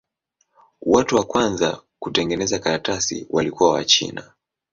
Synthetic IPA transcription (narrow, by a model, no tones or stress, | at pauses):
watuwakwanza̰kutɛŋɡɛnɛzakaɾatasḭwʔalikuwawa̰t͡ʃḭna